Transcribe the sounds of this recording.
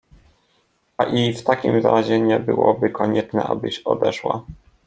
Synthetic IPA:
aʔift̪akʲimzaɾaʑɛɲɛbɘwɔbɘkɔɲɛt͡ʂnɛʔabɘɕɔd̪ɛʂwa

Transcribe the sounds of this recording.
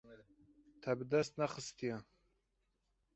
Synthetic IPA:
t̪ʰabɨd̪ast̪naχəst̪ija

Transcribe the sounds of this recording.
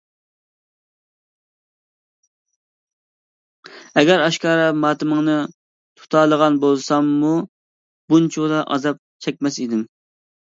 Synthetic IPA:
ɛɡʲɛɾɑʃkɑːɾɑmɑːt̪ɨməŋnɨ | t̪ʰu̥t̪ʰɑːlˠəʁɑnbolˠsɑmːu | bunt͡ʃʰd̪ɑʔɑ̰zɑp̚t͡ʃʰɛkʲmɛsid̪ɪm

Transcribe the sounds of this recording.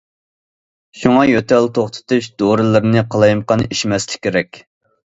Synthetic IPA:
ʃuŋɑjøt̪ʰɛlt̪ʰoχt̪ʰɨ̥t̪uʃd̪oɾɨlˠɨɾɨnɨqʰəlˠɑjmqɑniʃmɛslɪkʲʰːeɾɛkʲ

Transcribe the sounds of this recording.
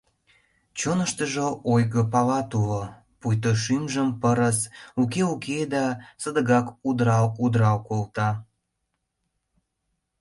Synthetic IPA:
t͡ɕonəʃt̪əʒoojɣəpɑlɑt̪ulo | pujt̪̬oʃymʒəmpəɾəsukeukʰed̪ɑsəd̪əɣɑkud̪ɾɑwud̪ɾɑwkolt̪ɑ

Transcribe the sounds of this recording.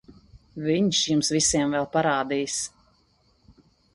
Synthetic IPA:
viɲʃjumsvisiɛmvɛlˠpaɾaːd̪ijs

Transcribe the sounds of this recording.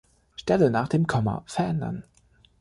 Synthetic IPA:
ʃtɛlənaːχd̥eːmkʰɔmɐ̰fɛɐʔɛndɐ̰n

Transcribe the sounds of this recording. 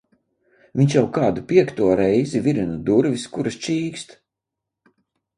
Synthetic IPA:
vʲiɲʲʃjawkaːd̪upʲiɛkt̪uɔɾɛjzivʲiɾinad̪uɾviskuɾɨst͡ʃiːkst̪

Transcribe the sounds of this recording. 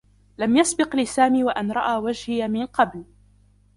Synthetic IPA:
lamjasbɪqlɪsaːmiːwaʔanɾˤɑʔaːwad͡ʒhɪjamɪnqɑbl

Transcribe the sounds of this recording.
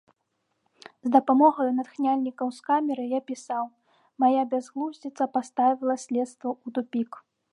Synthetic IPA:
zd̪ɐpamɔɣɐjunat̪xnʲalʲnʲikɐwskamʲɛɾɨjapʲisaw | majabʲazɣlˠuzʲdʲit̪sɐpast̪avʲilˠɐsʲlʲɛt̪st̪vɐut̪upʲik

